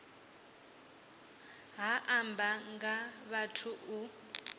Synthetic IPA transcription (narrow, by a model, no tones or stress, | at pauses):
ɦaʔambaŋɡaβatʰuu